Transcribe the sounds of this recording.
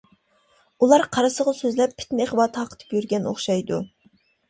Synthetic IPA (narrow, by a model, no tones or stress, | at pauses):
ulˠɑɾqʰɑɾɨsəʁɑsøzlɛpʰːɪ̥t̪nɪeχbɑːt̪ʰɨhɑqʰə̥t̪ʰɨ̥pjyɾɡʲɛno̰χʃɑjd̪ṵ